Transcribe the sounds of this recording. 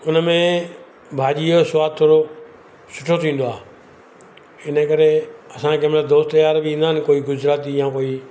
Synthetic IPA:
ʊnəmẽ | bʱaːʄiosʋaːd̪̚t̪ʰoːɾo | sʊ̥ʈʰot̪ʰĩːn̆d̪oaːɦ | ɪnəkəɾeɐsãkʰeːmɐləd̪oːst̪əjaːɾbɪĩːn̆d̪aːnɪ̆koːiɡʊzɾaːt̪ijãːkoːi

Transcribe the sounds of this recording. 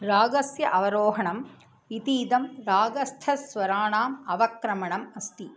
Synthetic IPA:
ɾaːɡɐsjɐʔɐʋɐɾoːɦɐɳɐm | it̪iːd̪ɐmɾaːɡɐst̪ʰɐsʋɐɾaːɳaːmɐʋɐkɾɐmɐɳɐmɐst̪i

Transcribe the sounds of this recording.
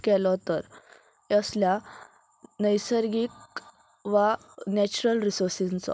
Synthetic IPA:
kɛlɔt̪əɾ | əslja | nəjsəɾɡik | ʋa | nɛt͡ɕuɾəlɾisoɾsit͡sɔ̰

